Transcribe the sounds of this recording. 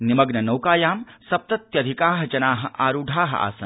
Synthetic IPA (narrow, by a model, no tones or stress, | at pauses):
nimɐɡnɐnɐwkaːjaːmsɐp̚t̪ɐt̪jɐd̪ʱikaːɦɐt͡ʃɐnaːɦɐ̆ʔaːɾuɖʱaːɦɐ̰a̰ːsɐ̰n